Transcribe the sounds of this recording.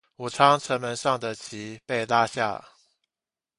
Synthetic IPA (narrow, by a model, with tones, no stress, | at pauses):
u˨˩ʈ͡ʂʰɑ˥ŋʈ͡ʂʰə˧˥nmə˧˥nʂɑ˥˩ŋd̪ə˨t͡ɕʰi˧˥pe˥˩ɪla˥ɕja̰˥˩